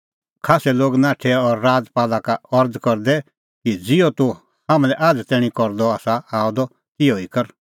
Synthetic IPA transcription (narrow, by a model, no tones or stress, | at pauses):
kʰaːsɛloːɡnãːʈʰɛɔɾːaːd͡zpaːlakaɔɾd̪kɔɾd̪ɛ | kid͡zɪɔt̪u | hãmlɛʔaːd͡zt̪ɛːɽ̃ĩkɔɾd̪ɔaːsaaːɔd̪ɔ | t̪ɪjɔikɐɾ